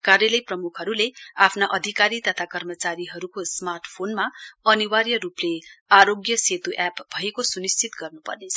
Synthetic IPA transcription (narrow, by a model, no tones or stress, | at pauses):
karjelʌjprʌmukʰɦʌɾuleapʰnaʔʌd̪ʱikaɾit̪ʌt̪ʰakʌrmʌt͡saɾiɦʌɾukosmarʈpʰonmaʌniwaɾjʌɾupleaɾoɡjʌset̪uʔapbʱʌekosunist͡sit̪ɡʌrnupʌ̰rnet͡sʰʌ̥